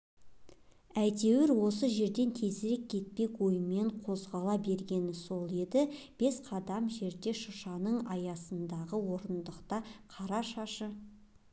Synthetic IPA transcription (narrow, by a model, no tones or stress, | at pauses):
æjt̪e̞wɪɾwo̞səʒe̞ɾd̪e̞nt̪ʰe̞zɪɾe̞kʲʰːe̞t̪̚pe̞kwo̞jəme̞ɴqʰo̞zʁɑlˠɑbe̞ɾɡʲe̞nɪso̞lˠe̞d̪ɪ | b̥e̞sqʰɑd̪ɑmʒe̞ɾd̪e̞ʃʊʃɑnəɴɑjɑsənd̪ɑʁəwo̞ɾənd̪əqt̪ɑqʰɑɾɑʃɑʃə